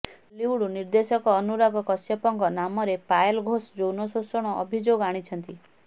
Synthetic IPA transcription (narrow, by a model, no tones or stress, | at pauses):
liwɽuniɾd̪esɔkɔːnuɾaɡɔkɔsjɔpɔŋkɔnamɔɾepajlɡʱosd͡ʒownɔsosɔɽ̃ɔʔːbʱid͡ʒoɡaɽ̃it͡ʃʰɔnt̪i